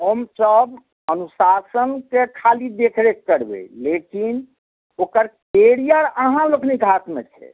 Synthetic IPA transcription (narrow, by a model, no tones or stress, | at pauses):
omsəb | ənusasənkekʰalid̪ekʰɾekːəɾbḛlekin | okəɾkeɾijəɾəɦãloknikat̪mḛt͡ʃʰɛ̰